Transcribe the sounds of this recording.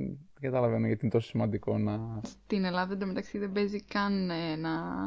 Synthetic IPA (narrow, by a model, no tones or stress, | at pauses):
ɡɐt̪ɐlɐve̞noʝɐt̪inet̪oosimɐnd̪iko̞nɐst̪ine̞lɐðɐɐd̪ɐmet̪ɐksiðebe̞zikɐnenɐ